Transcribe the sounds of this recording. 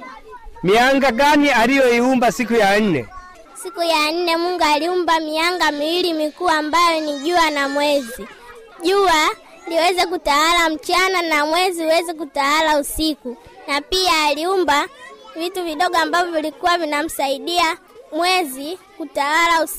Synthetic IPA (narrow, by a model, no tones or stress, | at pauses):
miaŋɡaɡanialijɔiumbasikujan̩nɛ̰ | sikujan̩nɛmuŋɡaliumbamiaŋɡamiwilimikuambajɔniʄuanamwɛzi | ʄua | liwɛzɛk̬utawalam̩t͡ʃananamwɛziuwɛzɛk̬utawalausiku | napiaːliumbavituviɗɔɡɔambavilikuwavinam̩saiɗia | mwɛzikutawalaus